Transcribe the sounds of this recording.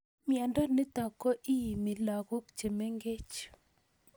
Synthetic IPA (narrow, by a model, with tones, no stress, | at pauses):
mja˨ndɔ˦nɪ˦t̪ɔ˨kɔ˦ʔi˦ji˨mi˨la˨ɣo˦kt͡ʃe˨me˦ŋɡe˦t͡ʃ